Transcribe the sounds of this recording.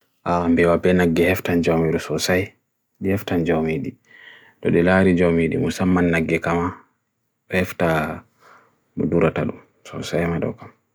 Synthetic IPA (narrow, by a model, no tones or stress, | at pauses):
ʔambɛwabɛnaɡːɛhɛftand͡ʒawmiɗɔsɔsaj | ɗihɛftand͡ʒawmiɗi | tɔ̰ɗɛlaɾid͡ʒawmiɗḭmusamːanːaɡːɛkama | hɛfta | mɔ̰duɾata̰ɗum | sɔ̰sajmaɗɔ̰kam